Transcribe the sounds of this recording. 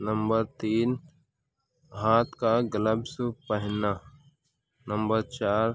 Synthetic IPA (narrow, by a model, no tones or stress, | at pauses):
nəmbəɾt̪iːn | ɦaːt̪kaɡələbsupəɦɪna | nəmbəɾt͡ʃaːɾ